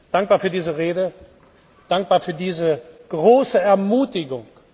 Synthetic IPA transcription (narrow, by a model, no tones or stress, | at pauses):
d̥aŋk̚b̥aːɐfyːɐdiːzəʁeːdə | d̥aŋk̚b̥aːɐfyːɐdiːzəɡ̥ʁoːsəɛɐmuːtɪɡʊŋ